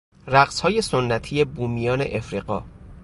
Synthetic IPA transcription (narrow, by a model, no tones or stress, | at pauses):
ræɢshɒːje̞sonːæt̪ʰije̞buːmijɒːne̞̰ʔefɾiːɢɒ̰ː